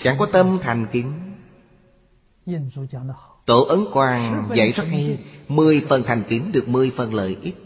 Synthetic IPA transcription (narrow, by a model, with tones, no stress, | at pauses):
t͡ɕa̰˧˩ŋkɔ˨˦t̪ə˧mt̪ʰa˨˩jŋ̟ki˨˦n˧ | t̪o̰˧˨ʔə˨˦nkwaː˨˩ŋzə̰˧˨jzə˦˥t̚ha˧mɨ˨˩əjfə˨˩nt̪ʰa˨˩jŋ̟ki˨˦nɗɨ˨˩ək̚mɨ˨˩əjfə˨˩nlə̰ː˧˨jʔi˦˥t̚